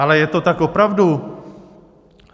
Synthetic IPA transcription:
alɛjɛt̪o̞t̪akopɾavdu

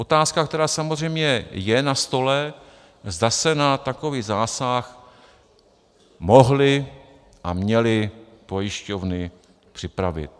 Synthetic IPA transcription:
ʔo̞t̪aːskak̚t̪ɛɾaːsamozr̝ɛjmɲɛjɛnast̪o̞lɛ | zdasɛnat̪ako̞viːɣzaːsax | mo̞ɦlɪ | ʔamɲɛlɪ | po̞jɪʃco̞vnɪ | pr̝̥ɪpɾavɪ̰t̪̚

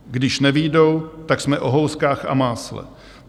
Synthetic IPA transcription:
ɡdɪʃnɛvɪjdo̞wt̪aksmɛʔo̞ɦowskaːxa̰maːslɛ̰

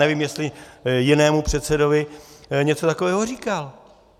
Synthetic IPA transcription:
nɛviːmjɛst̪lɪjɪnɛːmupr̥ɛt̪sɛdo̞vɪɲɛt͡sot̪ako̞vɛːɦoriːkal

